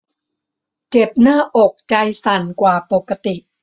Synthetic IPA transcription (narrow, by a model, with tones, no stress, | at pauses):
t͡ɕe˨˩p̚naː˥˩ʔo˨˩k̚t͡ɕa˧jsa˨˩nkwaː˨˩po˨˩kːa˧t̪i˨˩ʔ